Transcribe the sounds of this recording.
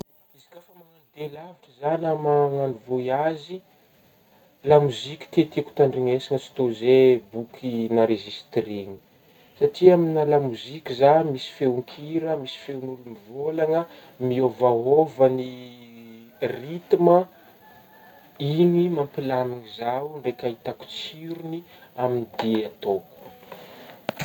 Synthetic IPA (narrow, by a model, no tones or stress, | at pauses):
izi̥kʲafəmanand̪elaviʈ͡ʂəzanamaŋanivoiazi | lamuzikʲi̥t̪et̪iku̥t̪aɳɖ͡ʐiŋesiŋət͡si̥t̪ozebukʰinaɾeʒist̪reŋi̥ | saʈ͡ʂiaminalamuzikʲizamisi̥fewŋkʰiɾəmisi̥feunulumivolaŋə | miovaɦovəni | rit̪imə | inimampilamiŋizauɳɖ͡ʐekʲait̪aku̥t͡siɾuni | aminid̪eat̪oku̥